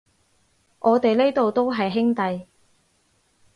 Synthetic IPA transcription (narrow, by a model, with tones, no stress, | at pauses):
ŋʔɔː˨˧t̪e˨jle˥jt̪o˨wt̪o˥wɦɐ˨jɦɪ˥ŋt̪ɐ˨j